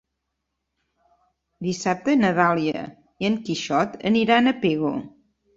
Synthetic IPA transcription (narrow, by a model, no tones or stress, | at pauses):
d̪isap̚t̪ənəðalˠiə̰ | iəŋkiʃɔt̪ə̰niɾanəpeɣo